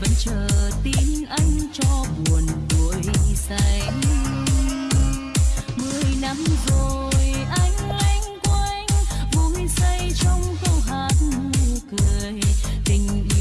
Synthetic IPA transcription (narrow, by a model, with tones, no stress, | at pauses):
və̰˧˨˦nt͡ɕəː˨˩t̪i˧nʔa˧jŋ̟t͡ɕɔ˧ɓu˨˩ənvu˧˨˦jsa˧jŋ | mɨ˨əjna˧˥mzo˨˩jʔa˧jŋ̟la˧ŋ̟ka˧ŋ̟vu˧˨˦mi˧ŋsə˧jt͡ɕɔ˧wŋ͡mkə˧wɦaː˨˩n̚m˧u˧˩˧kɨ˨əjt̪i˧˩ŋ̟˧